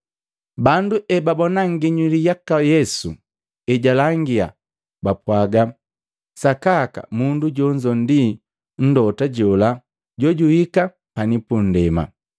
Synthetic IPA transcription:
banduʔɛbabɔnaŋɡiɲilijakajɛsu | ɛɟalaŋɡia̰ | bapwaɡa | sakaka̰munduɟɔɲd͡ʒɔn̩di | n̩dɔtaɟɔla | ɟɔɟuhika | panipun̩dɛma̰

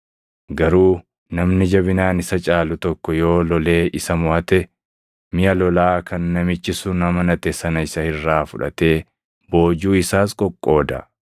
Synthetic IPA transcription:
ɡɐɾuː | nɐmnɪd͡ʒɐbɪnaːnɪsɐt͡ʃʼaːlʊt̪ɔkːɔjo̞ːlɔle̞ːʔɪsɐmʊʔɐt̪ɛ | mɪjɐlɔlaːkʰɐnːɐmɪt͡ʃːɪsʊnɐmɐnɐt̪ɛsɐnɐɪsɐhɪrːaːfʊᶑɐ̰t̪e̞ː | bo̞ːd͡ʒuːɪsaːskʼɔkʼːo̞ːd̪ɐ

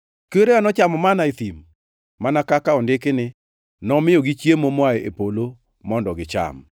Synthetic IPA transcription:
keɾeanɔt͡ʃamɔmanaet̪im | manakakaɔndɪkɪnɪ | nɔmɪɔɡit͡ʃjemomwaeepolo | mɔndɔɡɪt͡ʃa̰m

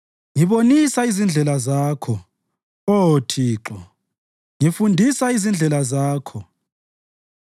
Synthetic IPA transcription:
ŋiβonisaizind͡ɮʱɛlazaːkʰɔ | otʰiːǁɔ | ŋifundʱisaizind͡ɮʱɛlazaːkʰɔ

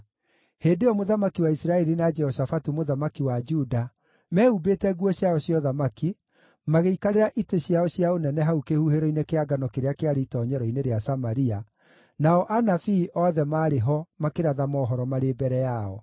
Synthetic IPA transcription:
heːdeɔmoðamakiwaisɾaɛɾinad͡ʒɛhɔsafatumoðamakiwad͡ʒuda | mɛːubeːtɛɣwɔɕjaɔɕjɔðamaki | maɣeikaɾeɾaʔiteɕjaɔɕjaonɛnɛɦaukehuheɾɔinekeaɡanɔkeɾeakeaɾiitɔːɲɛɾɔineɾeasamaɾia | naɔʔanafiːʔɔðɛmaːɾeɦɔmakeɾaðamɔɦɔɾɔmaɾebɛɾɛjaɔ̰

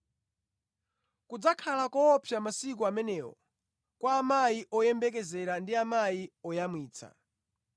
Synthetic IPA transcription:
kud͡zakʰalakɔːpʰjamasikuamɛnɛwɔ̰ | kwaːmajiʔɔjɛmbɛkɛzɛɾandiamajiɔjamwiːt͡sʰa̰

